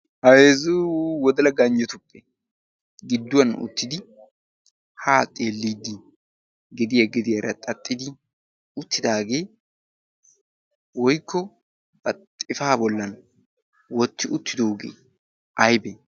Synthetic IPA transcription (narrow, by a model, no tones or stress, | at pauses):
hɐjeːzuwɔd̪ɐlɐɡɐɲd͡ʒɛt̪ʊpʼːɛ | ɡɪd̪ːʊwɐnʊ̰t̪ːɪd̪ɪ | haːt̪ʼeːlːiːd̪ːɪ | ɡɛd̪ɪjɐɡɛd̪ɪjɐɾɐt̪ʼɐt̪ʼːɪd̪ɪ | ʊt̪ːɪd̪aːɡe̞ː | wɔjkːɔ | pɐt̪ʼːɪfaːbɔlːɐn | wɔt̪ːɪʔʊt̪ːɪd̪oːɡḛː | ʔɐjbɛ